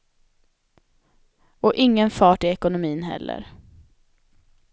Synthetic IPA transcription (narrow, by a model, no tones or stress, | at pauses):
ɔʔɪŋːənfɑːʈɪɛkʊnʊmiːnɦɛ̰lːə̰ɾ